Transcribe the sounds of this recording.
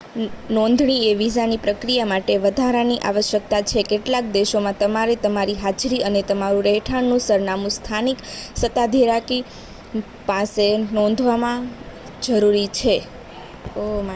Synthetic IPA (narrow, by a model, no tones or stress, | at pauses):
nɔ̃nd̪ʱɳieʋizanipɾəkɾijamaʈeʋəd̪ʱaɾaniʔa̰ʋəʃjək̚t̪at͡ʃʰekeʈlak̚d̪eʃomãt̪əmaɾet̪əmaɾiɦad͡ʒɾiənet̪əmaɾũɾɛɦʈʰaɳnũsəɾnamũst̪ʰaniksət̪ad̪ʱiɾaki | pãsenɔ̃nd̪ʱʋamã | d͡ʒəɾuɾit͡ʃʰe | oma